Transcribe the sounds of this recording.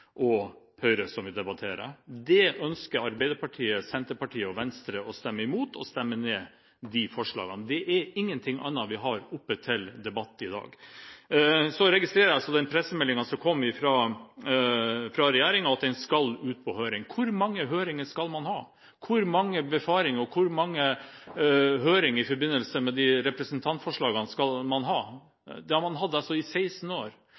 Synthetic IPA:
ʔɔpʰœʏɾəsɔmʋɪd̪ɛbɑt̪ʰeːɾə̰d̪ɛʔœnskəɾɑɾbɛɪd̪əɾpɑʈʰiːəsɛnt̪əɾpɑʈʰiːəɔʋɛnst̪ɾəɔst̪ɛmːəɪmuːt̪ʰɔst̪ɛmːəneː | d̪ifɔʂɭɑ̰ːɡənd̪ɛʔɛɾɪŋːənt̪ʰɪŋːʔɑ̰nːɑʋɪɦɑɾʊpːət̪ʰɪld̪ɛbɑt̪ːɪd̪ɑ̰ːɡ | sɔɾɛɡɪst̪ɾeːɾəɑsɔd̪ɛnpʰɾɛsːəmɛlːɪŋɑsɔkʰɔmːʋɪfɾɑ | fɾɑɾɛjæːɾɪŋɑɑt̪ɛnskɑlʉːt̪̚pʰɔhøːɾɪŋkʰʊɾmɑŋːəɦøːɾɪŋəʂkɑlmɑnhɑː | kʰʊɾmɑŋːəbɛfɑːɾɪŋɾɔkʰʊɾmɑŋːə | ɦøːɾɪŋɪfɔɾbɪnːəlsəmɛd̪iɾɛpɾəsənt̪ʰɑnt̪fɔʂɭɑːɡənskɑlmɑnɦɑː | d̪ɛhɑɾmɑnɦɑd̪ːəɑsɔɪsæɪsn̩oːɾ

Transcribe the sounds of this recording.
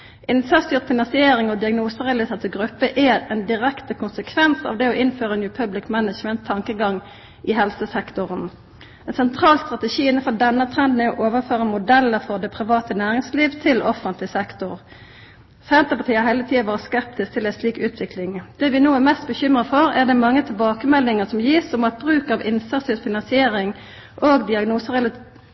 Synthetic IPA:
ʔɪnsɑʁst̪yːʁt̪fɪnɑnsɪeːɾɪŋɔd̪ɪɑɡnuːsəʁɛɑlɪseːt̪ʰɪʋɡʁʉpːəʔɛʁɛnd̪ɪʁɛkt̪əkʰʊnsəkʰʋɛnsɑ̰ːʋd̪ɛɔʔɪnføːʁənjʉːpʰœblɪkmænət͡ʃmənt̪ʰːɑŋkəɡɑŋ | ʔɪɦɛlsəsɛkt̪ʊʁən | ɛnsɛnt̪ʰʁɑːlst̪ʁɑt̪əʃiːɪnːən̩fɔd̪ɛnːət̪ʰʁɛnd̪nɛɔʔoːʋəføːʁəmʊd̪ɛlːəfɔʁd̪ɛpʰʁɪʋɑːt̪ənæːɾɪŋsliːʋt̪ʰɪlɔfːənt̪lɪsɛkt̪ʊʁ | sænt̪əpɑt̪ʰiːhɑɾhɛːlət̪ʰiːɑʋɑːʁəskɛp̚t̪ɪsk̚t̪ʰɪlɛsliːkʉːt̪ʰʋɪklɪŋd̪̥ɛːʋɪnoːæmɛst̪̚bəçʏmʁəfɔʁæʁd̪ɛmɑŋːət̪ʰɪlbɑːkəmɛlːɪŋəsɔmjiːsɔmɑt̪̚bʁʉːkɑʋɪnsəʁsɪtfɪnɑnsɪeːɾɪŋ | ʔoːɡd̪ɪɑɡnuːsəʁɛl

